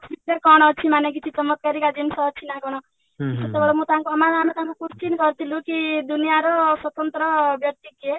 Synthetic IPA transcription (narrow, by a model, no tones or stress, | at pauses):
bit̪ɾakɔɽ̃t͡sʰimanekit͡sʰit͡sʌmːʌt̪̚kaɾikad̪insʌːt͡sʰinakɔɽ̃ʌ | isʌt̪ːebeɽamut̪ãŋkoʌmad̪ʱanɔt̪ãkokust͡ʃinɡʌrt̪ʰilukid̪unijaɾoswʌt̪ʌnt̪rʌbjʌk̚t̪ike